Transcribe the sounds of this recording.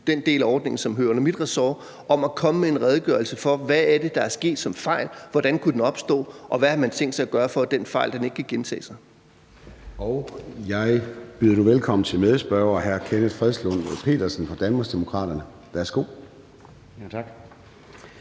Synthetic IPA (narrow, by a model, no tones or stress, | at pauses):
d̥end̥e̝̰ːlæɒːd̥ne̝ŋn̩sɒ̽mɦøːɐnəmid̥ʁɛsɒː | ɒ̽mækʰɒ̽məmee̝nʁɛð̞ˠɡ̥ɶ̰ɐl̩səfɒ̽ʋææɐd̥e̝d̥ɑ̈æɐsɡ̥e̝̰ːd̥sɒ̽mfɑ̈ɪ̰lʋɒd̥ænkʰud̥enɒ̽b̥sd̥ɔ̰̽ːʔɒ̽ʋæhɑ̈mænt͡sʰeŋ̰ɡ̥sɑɪæɡ̥ɶːɐfɒ̽d̥enfɑ̈ɪ̰ld̥ene̝ɡ̥kʰæɡ̥ent͡sʰɛ̰ːsɑ̈ɪ | ʔɒʊjɑ̈ɪb̥yðˠɐd̥uʋelkʰɒ̽m̰n̩t͡sʰe̝lmeðˠəsb̥ɶɐɦæɐkʰenə̥fʁɛðˠslɔn̰pʰe̝̰ːd̥ɐsn̩fɒ̽d̥ænmɑsd̥e̝mo̝kʰʁɑ̰̈ːd̥ɐnə | ʋæɐsɡ̥o̝̰ː | ɑɡ̥